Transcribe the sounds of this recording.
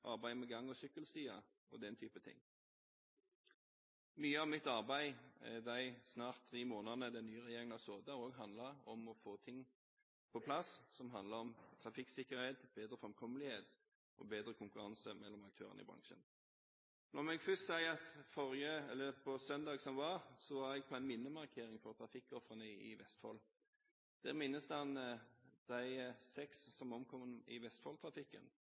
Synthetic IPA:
ʔɑ̰ʁbæɪmɛɡɑŋːɔsʏkːəlst̪yːɑ | ɔ̰d̪ɛnt̪ʰyːpət̪ʰɪ̰ŋː | myːəɑʋmɪt̪ɑʁbæɪɛd̪æɪsnɑːʁt̪ʰːʁiːmoːnənəd̪ɛnːyːəʁɛjeːʁɪŋnɑsoːd̪ɑʁoːɡɦɑnd̪lɑɔmɔfoːt̪ʰɪŋː | pʰɔpʰlɑssɔmɦɑnd̪ləɔmt̪ʰʁɑfɪksɪkːəʁheːt̪b̥eːd̪ʁəfɔmkʰɔməlɪheːt̪ | ʔɔ̰beːd̪ɾəkʰʊŋkʉɾɑnsəmɛlːɔmɑk̚t̪ʰøːɾənəɪ̰bɾɑ̰ŋʃə̰n | nɔʁmɛɡfʏst̪sæɪɑt̪fɔʁɪəɛlːəpʰɔsœnd̪ɑːɡsɔmʋɑʁsɔʋɑɛɡ̚pʰɔæɪnmɪnːəmɑʁkʰeːɾɪŋfɔʁt̪ʰɾɑfɪkːɔfɾənəɪʋɛst̪fɑ̰ːl | d̪̥æːʁmɪnːəsd̪əɑnd̪̥æɪsɛksːɔmɔmkʰɔmənɪʋɛst̪fɑːlt̪ʰɾɑfɪkːə̰n

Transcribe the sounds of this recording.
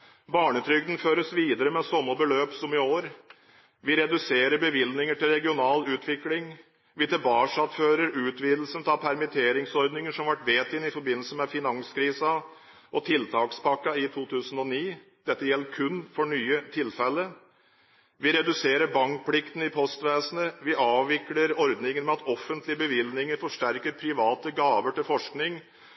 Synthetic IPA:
bɑːɳət̪ʰɾʏɡ̚d̪n̩føːɾəsʋiːd̪əɾəmɛsɔmːəbəløːpsɔmɪoːɾ | ʋɪɾɛd̪ʉseːɾəɾbəʋɪlnɪŋəʈɪlɾɛɡɪʊnɑːlʉːt̪ʰʋɪklɪŋ | ʋɪt̪ʰɛbɑːʂɑt̪føːɾəɾʉːt̪ʋiːd̪l̩sənt̪ʰɑːpʰæɾmɪt̪ʰeːɾɪŋsɔɾd̪nɪŋəʂɔmɑʋæʈʋeːt̪ɪnɪfɔɾbɪnːl̩səmɛfɪnɑŋskʰɾiːsɑ | ʔɔt̪ʰɪlt̪ʰɑːkspʰɑkːɑɪt̪ʰuːt̪ʰʉːsən̩ɔniː | d̪̥ɛt̪ːəjɛlːəɾkʰʉnːfɔɳyːət̪ʰɪlfɛlːə | ʋɪɾɛd̪ʉseːɾəɾbɑŋkpʰlɪkt̪n̩ɪpʰɔst̪ʋeːsənəʋɪʔɑːʋɪkləɾɔɾd̪nɪŋənmɛɑt̪ɔfːənt̪lɪəbəʋɪlnɪŋəɾfɔʂʈæɾkəɾpʰɾɪʋɑːt̪əɡɑːʋəʈɪlfɔʂknɪŋ

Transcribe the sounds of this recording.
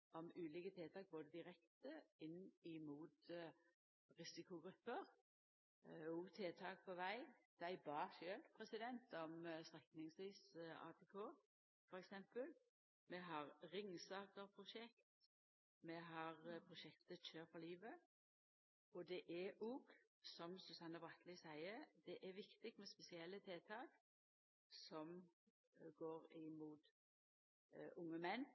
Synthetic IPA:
ɔmʉːliːkət̪ʰeːt̪ʰɑːk̚boːd̪əd̪ɪʁɛkt̪əɪnːɪmuːt̪ | ʁɪsɪkʊɡɾʉpːəʁ | uːt̪ʰeːt̪ʰɑːk̚pʰɔʋæɪd̪̥æɪbɑːʃøːlpʰʁɛsɪd̪ɛnt̪ɔmst̪ʁɛknɪŋsʋiːsɑ̰ːt̪ʰeːkʰoː | fɔɾɛksɛmpəl | mɛɦɑʁɾɪŋsɑːkəɾpʰɾʊʃɛkt̪ | mɛɦɑʁpʰʁʊʃɛkt̪əçøːɾfɔliːʋə | ɔd̪ɛʔæuːɡ | sɔmsʉsɑnːəbʁɑt̪ʰlɪsæɪəɾd̪ɛʔæʋɪkt̪ɪk̚t̪mɛspɛsɪɛlːət̪ʰeːt̪ʰɑːk | sɔm | ɡoːɾɪmuːt̪ | ʔʊŋːəmɛnː

